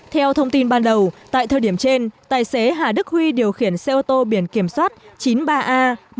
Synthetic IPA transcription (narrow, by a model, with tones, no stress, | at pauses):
t̪ʰɛ˧wt̪ʰə˧wŋ͡mt̪i˧nɓaː˧nɗə˨˩wt̪a̰ː˧˨jt̪ʰəː˨˩ɗi˧˩əmt͡ɕe˧nt̪aː˨˩jse˨˦ɦaː˨˩ɗɨ˦˥k̚hwi˧ɗi˨˩əwxi˧˩ənsɛ˧ʔo˧t̪o˧ɓi˧˩ənki˧˩əmswaː˦˥t̚t͡ɕi˨˦nɓaː˧ʔaː˧